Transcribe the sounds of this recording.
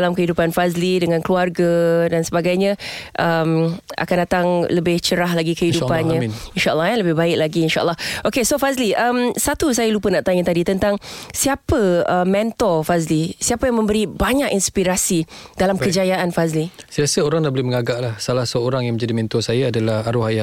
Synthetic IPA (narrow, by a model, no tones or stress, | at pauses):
alamkəhidupanfazlidəŋãnkluarɡadansəbaɡajɲaʔəma̰kandat̪aŋləbɪht͡ʃəɾaɦlaɡikəhidupanɲãinʃaʔə̰lːɔɛləbɪhbaɪk̚laɡiːnʃa̰ʔəlːɔhʔokesofazliʔəmsat̪us̬ajalupənaʔt̪aɲət̪adit̪ənt̪aŋsiapəəmɛnt̪ɔfazlisiapajaŋmə̃mbəɾibaɲakinspiɾasid̥alamkəd͡ʒajaʔanfazlisəasəoɾaŋnaʔbolɛməŋaɡaʔlahsalahsəoɾaŋjaŋmə̃d͡ʒadimɛ̃nt̪ɔsajaadalahaɾuɦaja